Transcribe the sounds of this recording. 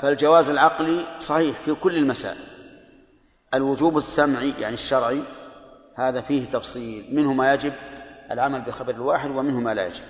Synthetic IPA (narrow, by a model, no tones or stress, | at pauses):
fald͡ʒawaːzɪlʕɑqlisˤɑħiːħfikʊlːɪlmasa̰ːʔɪl | ʔalwʊd͡ʒuːbɪsːamʕija̰ʕniʃːɑɾˤʕi | haːðafiːht̪ɑfsˤiːlmɪnhʊmajad͡ʒɪbʔalʕamalbɪxabɑɾɪlwaːħɪd̪wɪmɪnhʊmala̰ja̰d͡ʒɪb̥̚